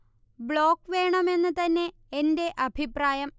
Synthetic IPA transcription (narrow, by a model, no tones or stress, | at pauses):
bɭo̞ːkːʋe̞ːɳɐme̞nːɨt̪ɐnːe̞ː | nde̞ʔɐbʱipraːjɐm